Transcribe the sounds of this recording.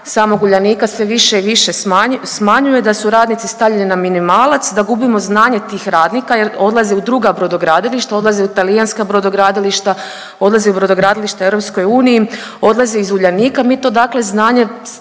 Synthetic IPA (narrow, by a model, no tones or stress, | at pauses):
samoɡuʎaniːkasʋeʋiʃeiʋiʃeasmaɲuje̞d̪asuɾaːd̪nit̪sist̪avʎeninaminimaːlat̪sd̪aɡubimo̞znaːɲe̞t̪iːxɾaːd̪nikajeɾo̞d̪lˠazeud̪ɾuɡabɾod̪o̞ɡɾaːd̪iliʃt̪ao̞d̪lˠazeut̪alijanskabɾod̪oɡɾaːd̪iliʃt̪a | o̞d̪lˠazeubɾo̞d̪oɡɾaːd̪iliʃt̪aeʋɾo̞psko̞juːniji | o̞d̪lazeizuʎaniːkamiːt̪o̞d̪akle̞znaːɲe